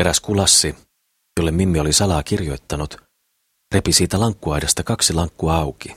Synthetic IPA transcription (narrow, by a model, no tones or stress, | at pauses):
e̞ɾæskulɑsːi | jolːemːmimːio̞lisɑlɑːkirjo̞jt̪ːɑnut̪ | repisiːt̪ælɑŋkːuɑjdɑst̪ɑkɑksilɑŋkːuɑɑwki